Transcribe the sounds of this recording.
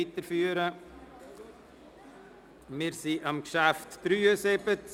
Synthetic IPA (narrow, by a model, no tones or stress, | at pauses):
it̪əɾfyːəɾə | mɪːɾsiʔɑmkʃæftd̥ɾyːəsebət